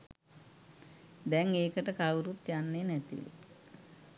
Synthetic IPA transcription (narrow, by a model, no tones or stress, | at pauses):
d̪ɛŋeːkəʈəkawɾut̪janːenɛt̪ḭʋḛ